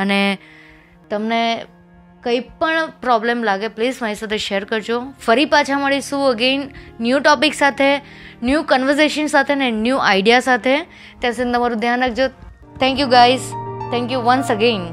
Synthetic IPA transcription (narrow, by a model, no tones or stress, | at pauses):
añe | t̪əmne | kəipəɳpɾɔblemlaɡepliːzmaɦisat̪ʰeʃeəɾkəɾd͡ʒofəɾiːpat͡ɕʰaməɽisuːəɡenːjuːʈɔpiksat̪ʰe | njuːkɔ̃nʋəɾseʃənsat̪ʰenẽnjuːʔajɖijasat̪ʰe | t̪jãsə̃nd̪əmaɾud̪ʱjanək̚d͡ʑo | t̪ʰɛ̃ŋkjuɡaizt̪ʰɛ̃ŋkjuʋənsəɡẽn